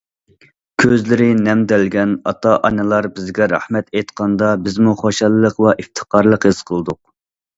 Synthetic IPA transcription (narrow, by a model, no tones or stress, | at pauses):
kʲʰøzlɪɾɪnɛmd̪ɛlɡʲɛnɑ̰t̪ʰɑʔɑnɨlˠɑɾbɪzɡʲɛɾæ̰hmɛt̪ejt̪qʰɑnd̪ɑbɪzmuχoʃɑlˠːəqvɛʔift̪ʰə̥qʰɑɾlˠəqhesqʰəlˠd̪ʊq̚